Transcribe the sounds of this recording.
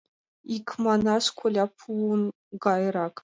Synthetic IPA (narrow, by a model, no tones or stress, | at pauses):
ikʰmanaʂkʷʰʊlʲapʰun | ɡɑjrɑkʼ